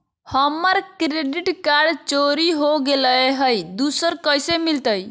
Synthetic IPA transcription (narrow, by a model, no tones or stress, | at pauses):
həmːəɾkɾeɖiʈkaɾɖt͡ʃoɾiɦoɡeləeɦəjd̪usəɾkəjsemilt̪əj